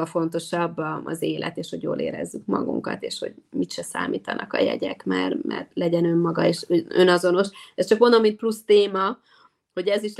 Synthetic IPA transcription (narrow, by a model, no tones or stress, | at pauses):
ɒfo̞n̪t̪o̞ʃɒbːɒzeːlʔɛt̪eːʃho̞ɟjo̰ːlʔeːɾɛ̰zːykmɒɡuŋkɒt̪eːʃho̞̰ɟmit̪ʃɛsa̰ːmiːt̪ɒnʔɒkɒjɛ̰ɟɛkmɛrmʔɛ̰rlɛɟɛnø̞mːɒɡɒeːʃønɒzo̞no̞ʃɛst͡ʃɒkmond̪omːint̪plust̪eːmɒ | ho̞ɟɛziʃ